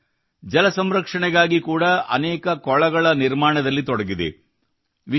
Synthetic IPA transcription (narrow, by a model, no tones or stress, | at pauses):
d͡ʒɐlɐsɐmɾɐkʂɐɳɛɡaːɡikuːɽɐʔɐ̰nɛːkɐkɔɭɐɡɐɭɐniɾmaːɳɐd̪ɐlːit̪ɔɽɐɡid̪ḛ | ʋi